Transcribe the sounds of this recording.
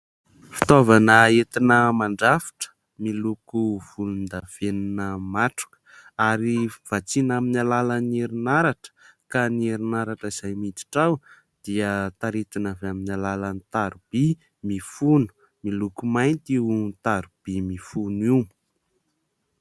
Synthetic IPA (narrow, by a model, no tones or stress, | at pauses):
fi̥t̪ovanəet̪inəmaɳɖ͡ʐafi̥ʈ͡ʂə̥ | milukuv̥ulund̪av̥eninəmaʈ͡ʂu̥kə̥ | aɾiv̥at͡sinaminalalaneɾinaɾaʈ͡ʂə̥kanieɾinaɾaʈ͡ʂəiz̥ajmit̪i̥ʈ͡ʂaw | d̪̥iət̪aɾit̪inavaminalalanit̪aɾub̥i | mifunu̥ | milukumajnt̪iunt̪aɾub̥imifunimu̥